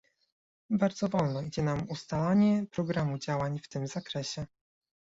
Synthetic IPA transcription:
baɾd̪zɔvɔlnɔid͡ʑɛnamust̪alaɲɛpɾɔɡɾamud͡ʑawaɲft̪ɘmz̥akɾɛɕɛ

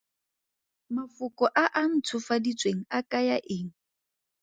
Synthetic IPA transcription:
mafʊkʼɔʔaʔan̩tʰʊfadit͡sʼweŋ̩akʼajaʔeːŋ̩

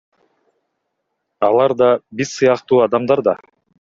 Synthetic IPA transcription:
ɑlˠɑɾd̪ɑbiɾsɯjɑqt̪uːɑd̪ɑmd̪ɑɾd̪ɑ

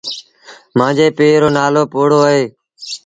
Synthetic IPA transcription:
mãːd͡ʒeːpeːɾoːnaːloːpoːɽoːəɦeː

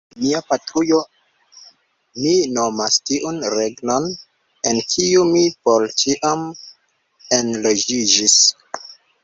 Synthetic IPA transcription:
miapatɾujo̞ | mino̞mastiʔunɾeɡno̞n | enkʰiumipolt͡ʃiʔam | enlo̞d͡ʒid͡ʒis

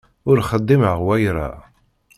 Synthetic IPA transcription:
ʊɾχəd̪ˤːiməʁwæjɾa̰

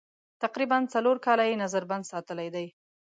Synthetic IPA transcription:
t̪aqɾibant͡saloɾkɑlajenazaɾband̪sɑt̪əlajd̪aj

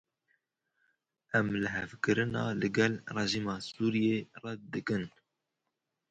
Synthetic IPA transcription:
ʔæmlɨɦɛvkɨɾɨnɑ̰ːlɨɡɛlrɛʒiːmɑːsuːɾijeːrɑd̪ɨkɨn

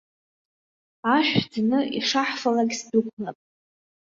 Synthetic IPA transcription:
aʃᶣd͡znɨʔḭʂaħfalaɡʲsdɨkʷʰmapʼ

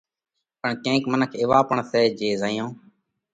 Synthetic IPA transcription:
pəɳkẽːkmənəkʰɪːʋaːpəɳsɛːd͡ʒeːzaːjõː

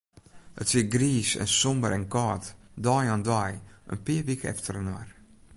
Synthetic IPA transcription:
ə̰tsiɡɾiːsɛ̰nsɔmbəɾɛnkɔːtdɔjandɔjə̰npiːvikəɛ̰ftəɾənɔɾ

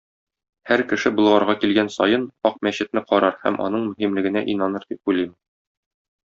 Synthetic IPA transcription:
hæɾkɘ̆ʃɘbŭlˠʁɑɾʁɑkilɡænsɒjɤnɒq̚mæɕɘ̆t̪nɘqɒɾɑɾhæ̰mʔɒ̰nɤɴmɵ̆ɦimlɘ̆ɡɘ̆næʔinɑnɤɾd̪ip̚ujlæjmɘ

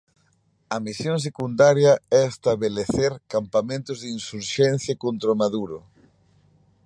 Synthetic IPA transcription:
ɐmisjoŋs̬ekund̪aɾjɐɛest̪aβeleθeɾkampamẽnt̪ʊzðinsuɾʃɛn̟θjakont̪ɾomaðuɾʊ̰

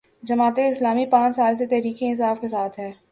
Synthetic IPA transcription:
d͡ʒɐmaːt̪eɪslaːmipãːt͡ʃsaːls̬et̪ɛɦɾiːkeɪnsaːfkesaːt̪ʰɦɛː

